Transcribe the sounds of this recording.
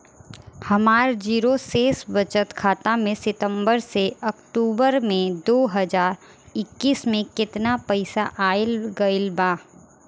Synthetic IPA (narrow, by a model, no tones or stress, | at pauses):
hɐmaːɾd͡ʒiːɾoseːsʋɐt͡ʃət̪kʰaːt̪amẽsɪt̪ə̃mbəɾseɐkʈuːbəɾmẽd̪oːɦɐd͡ʒaːɾ | ɪkːiːsmẽkɪt̪napɛɪsaʔaːɪlɡɐɪlbaː